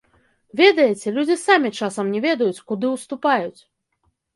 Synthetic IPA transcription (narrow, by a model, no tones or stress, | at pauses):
vʲɛd̪ɐjɛt͡sʲɛlʲud͡zʲisamʲit͡ʂasɐmnʲɛvʲɛd̪ɐjut͡sʲkud̪ɨwst̪upajut͡sʲ